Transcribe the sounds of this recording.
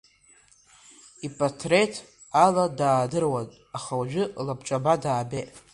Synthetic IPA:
ipʼatʰretʰ | aladaːdɨrwatʼ | aχawaʒᶣɪlabʰt͡ʃʼabadaːbetʼ

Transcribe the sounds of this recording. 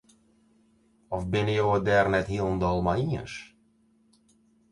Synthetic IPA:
ɔfbɪnəjowəd̪ɛːrnɛtɦilˠnd̪ɔlˠmaiə̰nʃ

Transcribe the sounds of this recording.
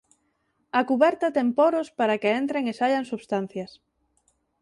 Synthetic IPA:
ɐkuβɛɾt̪ɐt̪ɛŋpɔɾospaɾakeent̪ɾeŋesaʎaŋsuβst̪an̟θjɐs

